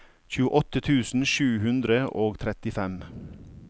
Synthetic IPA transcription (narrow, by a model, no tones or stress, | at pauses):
çʉːəʔɔt̪ət̪ʰʉːsn̩ʃʉːhʉnd̪ɾəʔoːɡt̪ʰɾɛt̪ɪfɛm